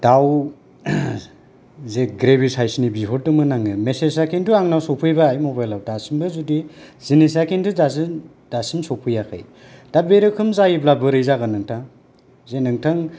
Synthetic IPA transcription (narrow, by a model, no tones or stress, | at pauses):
d̥aw | zeɡɾebisajsnibiɦoɾtɯmɯnaŋɯmeses̬akʰintuaŋnawsɔpʰɯjbaːjmobajlawdasimbɯzudizines̬akʰintudazɯ | d̥asimsɔpʰɯjakʰɯ̰j | d̥abeɾɯkʰɯmzajiblabɯɾɯjzaɡanɯŋtʰaŋ | zenɯŋtʰaŋ